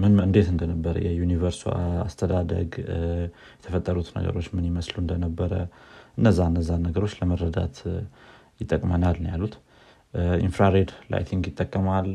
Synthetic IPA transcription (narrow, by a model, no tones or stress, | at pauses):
mɨnɨnd̪e̞t̪ɨnd̪ənəbːəɾə̰jɛjunivəɾsuast̪ʰəd̪ad̪ə̰ɡ | jɛt̪ʰəfət̪ʼːəɾut̪nə̰ɡə̰ɾo̞t͡ʃːmɨnjɪməsluɨnd̪ənəbːəɾəʔɨnːəzːaɨnːəzːanːəɡəɾo̞t͡ʃːləməɾːəd̪a̰t̪ | jɪt̪ʼːəkʼmənalnjalut̪ | ʔḭnfɾaɾed̪la̰jt̪ʰiŋɡjɪt̪ʼːəkʼːəmal